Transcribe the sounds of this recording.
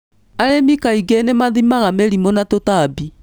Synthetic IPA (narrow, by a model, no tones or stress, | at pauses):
aɾemikaiɡenemaðimaɣameɾimonatotaːbi